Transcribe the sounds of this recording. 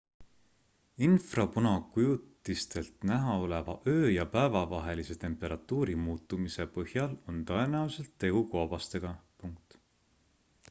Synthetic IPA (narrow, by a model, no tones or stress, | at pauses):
infrɑpunɑkujut̪ːˑist̪e̞lt̪næɦɑo̞le̞vɑ̰ʔø̞ːjɑpæevɑvɑɦe̞lise̞t̪e̞mpːˑe̞ɾʔɑt̪ːˑuːɾimuːt̪ːˑumise̞pɤhjɑlo̞nt̪ɤe̞næuse̞lt̪ːe̞ɡ̥ukoːb̥ɑst̪e̞ɡ̥ɑpuŋk̚t̪